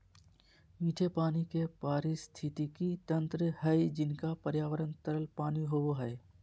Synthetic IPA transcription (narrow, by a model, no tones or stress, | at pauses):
miːʈʰepaːnikepaːɾist̪ʰɪt̪ikit̪ə̃nt̪ɾəɦɛjd͡ʒɪnkapəɾjaːʋəɾənt̪əɾəlpaːniɦooɦɛː